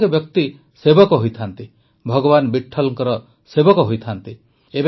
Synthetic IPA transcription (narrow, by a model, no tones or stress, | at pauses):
kebjɔkt̪i | sebɔkɔɦojt̪ʰant̪i | bʱɔɡɔbanbiʈʰːɔlɔŋkɔɾɔ | sebɔkɔɦojt̪ʰant̪i | eb